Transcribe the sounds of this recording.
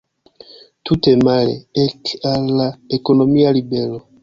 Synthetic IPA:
tutemalḛɛkalaekonomialibɛlo

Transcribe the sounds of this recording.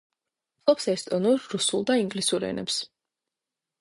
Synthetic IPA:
t̪ʼɔpsɛst̪ʼɔnuɾːusulˠd̪aiŋɡlisuɾɛ̰nɛ̰ps

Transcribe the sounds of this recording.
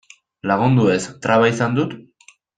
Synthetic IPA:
laɣund̪ue̞st̪ɾaβaisand̪ut̪

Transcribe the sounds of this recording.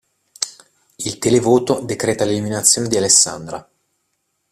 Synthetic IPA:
ilt̪elevoːt̪od̪ekɾɛːt̪aleliminat̪sːjoːned̪ialesːa̰nd̪ɾa

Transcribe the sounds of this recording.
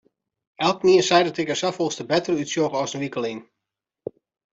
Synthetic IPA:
ɛlˠkniəsɛjdɔtɪkəsafolˠstəbɛtərytsjoxɔsənʋikəlˠiŋ

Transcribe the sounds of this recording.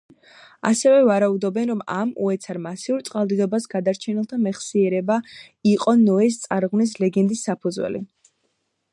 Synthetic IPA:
a̰sɛvɛvaɾaud̪ɔbɛnɾɔma̰mṵɛt̪sʰaɾmasiuɾt̪sʼqʼalˠd̪id̪ɔbasɡad̪aɾt͡ʃʰɛnɛlˠt̪ʰamɛχsiɛɾɛba | iqʼɔnɔɛs̬t̪sʼaɾʁvnis̬lɛɡɛnd̪isːapʰɔd̪zwɛ̰lḭ

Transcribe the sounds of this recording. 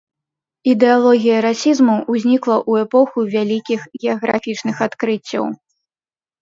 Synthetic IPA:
id̪ɛalˠɔɣʲijɐɾasʲizmuuzʲnʲiklˠɐʔuɛpɔxuvʲalʲikʲixɣʲɛɐɣɾa̰fʲit͡ʂnɨxat̪kɾɨt͡sʲːɐ̰w

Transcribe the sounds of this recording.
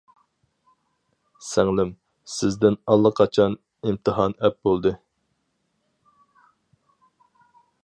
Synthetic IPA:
sæŋlɪm | sɪzd̪ɪnɑlˠːəqʰɑt͡ʃʰɑn | imt̪ʰɨɦɑnɛp̚bolˠd̪ɨ

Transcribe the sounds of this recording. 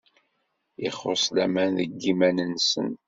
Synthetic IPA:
iχosˤlæmænðəɡːimænənsə̰n

